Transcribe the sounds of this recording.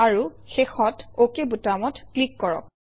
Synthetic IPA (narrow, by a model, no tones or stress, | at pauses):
aɹuxexɔtokebutamɔtklikːɔɹɔ̰k̚